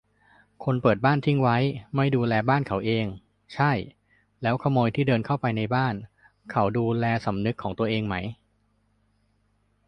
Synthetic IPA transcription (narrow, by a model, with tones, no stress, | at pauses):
kʰo˧npɤː˨˩t̪̚baː˥˩nt̪ʰi˥˩ŋwa˦˥jma˥˩jduː˧lɛː˧baː˥˩nkʰa˩˦wʔeː˧ŋ | t͡ɕʰa˥˩j | lɛː˦˥wkʰa˧moː˧jt̪ʰiː˥˩dɤː˧nkʰa˥˩wpa˧jna˧jbaː˥˩n | kʰa˦˥wduː˧lɛː˧sa˩˦mnɯ˦˥kʰːɔː˩˦ŋt̪u˧ɐʔeː˧ŋma˦˥j